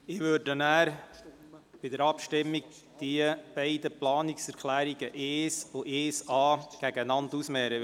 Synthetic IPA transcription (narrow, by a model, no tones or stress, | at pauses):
ɪʋøɾdənæːɾ | b̥ɪd̪əɾɑpʃtɪmːiɡ̚ | d̥iəb̥ɛɪdəplɑːnɪksɛɾkʰlæːɾiɡəʔeːsoʔeːsɑːɡ̥æɡənɑntusmɛːɾə